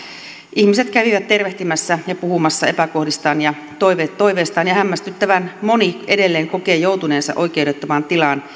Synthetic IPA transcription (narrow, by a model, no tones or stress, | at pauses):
ʔihmise̞t̪kæʋiʋæt̪t̪ːe̞rʋeht̪imæsːæjɑpuhumɑsːɑe̞pæko̞hdist̪ɑːnjɑ | t̪ojʋet̪ːoiʋeːst̪ɑːnjɑhæmːæst̪yt̪ːæʋænmo̞nie̞de̞lːeːŋko̞ke̞ːjo̞wt̪une̞ːnsɑ̰ʔo̞jk̟e̞udet̪ːomɑnt̪ilɑːn